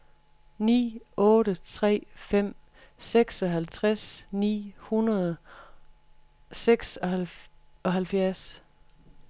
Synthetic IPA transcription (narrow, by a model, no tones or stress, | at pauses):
nḭːɔ̽ːɾət͡sʰʁɛ̰ːfem̰ | seɡ̥sɒ̽ɦælt͡sʰʁasnḭːhunɐðˠ | seɡ̥sɒ | ɒ̽ɦælfjæɐs